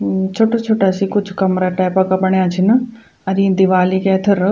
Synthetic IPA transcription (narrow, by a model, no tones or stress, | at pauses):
t͡ɕʰoːʈat͡ʃʰoːʈaːsikʊd͡ʑʱkɐmɾaːʈaːɪpakɐbɐɽ̃ijãt͡ʃʰɪn | ɐɾĩːnd̪iʋaːlikeːt̪ʰɪɾ